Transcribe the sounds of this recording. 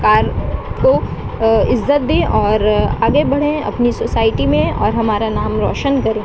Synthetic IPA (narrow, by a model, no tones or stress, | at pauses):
kaːɾko | ɪzːət̪̚d̪eʔɔːɾaːɡebɐɽ̤ẽɐ̰pnisoːsaːɪʈimẽɔ̰ːɾɦɐmaːɾanaːmɾɔ̰ːʃənkɐɾẽ